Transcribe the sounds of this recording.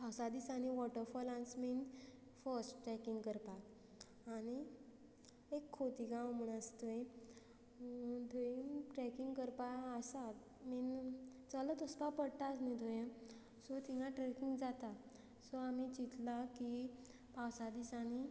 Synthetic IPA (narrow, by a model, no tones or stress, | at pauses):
pawsad̪isañiʋɔʈəɾfɔlãnsmin | fəsʈʈɾɛkiŋɡkəɾpak | ani | ekʰːot̪iɡãwm̤əɳ̃ast̪oẽ | d̪ʱoinʈɾɛkiŋɡkəɾpajasat̪ | mint͡salət̪əspapəɽt̪asnid̪ʱojẽ | sɔt̪iŋãʈɾɛkiŋɡd͡zat̪a | sɔamit͡ɕit̪laki | pawsad̪isani